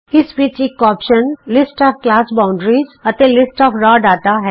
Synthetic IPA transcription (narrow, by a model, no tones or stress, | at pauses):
ɪsbiːt͡ʃekɔːpʃənlɪsʈɔːfklaːsbãːʊ̃ɳɖɾizɐt̪elɪsʈɔːfɾaːɖaːt̪aɦɛː